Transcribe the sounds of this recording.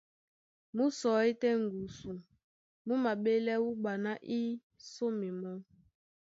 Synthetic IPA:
mu˦sɔ˨i˦tɛ˦ŋ˨ɡu˨su˨ | mu˦ma˨ɓe˦lɛ˦wu˦ɓa˨na˦ʔi˦ | so˦mi˨mɔ˦

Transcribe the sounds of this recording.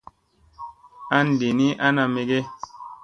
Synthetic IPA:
a˦n˨di˨ni˦ʔa˦na˨me˨˦ɡe˦

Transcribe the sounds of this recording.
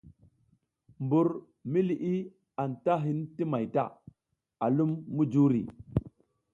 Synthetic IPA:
mbu˨ɾ | mi˦li˨ʔi˦ | a˨nta˦ɦi˦nti˦ma˨jta̰˦˨ | a˨lu˦mːu˦d͡ʒu˦ɾḭ˨

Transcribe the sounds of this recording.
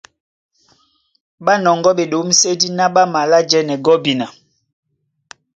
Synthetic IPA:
ɓa˦nɔ˨ŋɡɔ˦ɓe˨ɗo˨˦m̩˦se˦di˦na˦ɓa˦ma˨la˦d͡ʒɛ˦nɛ˨ɡɔ˦bi˨na˨

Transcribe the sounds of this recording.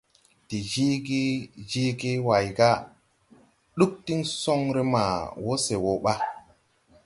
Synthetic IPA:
ti˨d͡ʒi˦ɡi˦d͡ʒi˦ɡi˦wa˨jɡa˦ | ɗu˦k̚ti˦ŋso˦ŋɾe˦ma˨wo˦se˨wo˨ɓa˦

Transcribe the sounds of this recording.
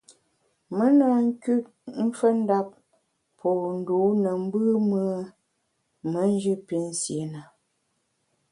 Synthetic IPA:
mə˦na˨˦˨ŋ̩˦kʉ˦ | m̩˦fə˦n̩˦da˦p̚ | pʰɔː˨n̩˨du˨˦nə˨m̩˦bɨ˦mə˦ | mə˨˦n̩˦d͡ʒʉ˦pi˨˦n̩˦sje˨˦na˨

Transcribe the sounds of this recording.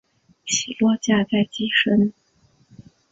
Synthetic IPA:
ɕi˨˩lwɔ˥˧t͡ɕja˥˧t͡sa˥˩ɪt͡ɕi˥˩ʂə˥n

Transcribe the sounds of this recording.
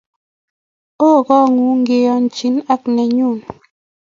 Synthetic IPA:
o˦˨kɔ˦˨ŋu˨˦ŋ̩˦ɡe˨jɔ˨n̩˨t͡ʃi˨˦na˦k̚nɛ˨ɲu˦˨n

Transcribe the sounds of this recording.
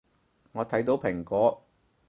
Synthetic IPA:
ŋɔː˨˧t̪ʰɐ˨˥jt̪o˨˥wpʰɪ˨˩ŋkɔː˨˥

